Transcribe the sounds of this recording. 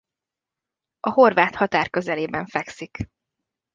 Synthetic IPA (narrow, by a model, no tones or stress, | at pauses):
ɒho̞rvaːt̪hɒt̪aːrkø̞zɛleːbɛɱfɛksik